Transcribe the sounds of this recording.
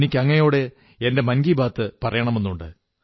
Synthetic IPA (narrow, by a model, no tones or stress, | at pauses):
nikʲːɐŋːɐejo̞ːɽe̞ | ende̞mɐnɡibʱaːt̪ːɨpɐrɐjɐɳɐme̞nːuɳɖɨ̰